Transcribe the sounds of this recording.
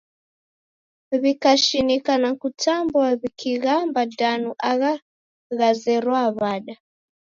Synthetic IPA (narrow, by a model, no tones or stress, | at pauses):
βikaʃinikanakutambwaβikʰiɣambadanuʔaɣa | ɣazɛɾwaβaɗa